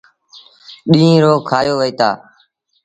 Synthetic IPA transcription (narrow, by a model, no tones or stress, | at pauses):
ɗĩːĩːɾoːkʰaːjoːʋəiːt̪aː